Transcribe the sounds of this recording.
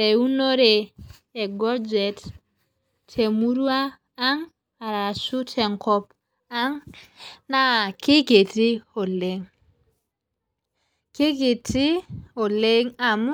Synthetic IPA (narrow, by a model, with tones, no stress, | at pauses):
e˨u˦no˦ɾe˨ | e˨ɡɔ˦d͡ʒe˨t | tʰe˨mu˦ɾu˦aː˦ | ŋ | a˨ɾa˨su˦tʰe˨ŋkɔ˦p | a˦ŋ | na˦ki˦ke˨ti˦o˨le˨ŋ | ke˦k̬e˨ti˦o˨le˦ŋa˨mu˦